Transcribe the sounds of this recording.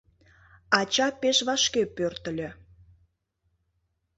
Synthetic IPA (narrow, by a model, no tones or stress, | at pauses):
ɑt͡ɕɑpeʃβɑʃkepørt̪ə̆lʲø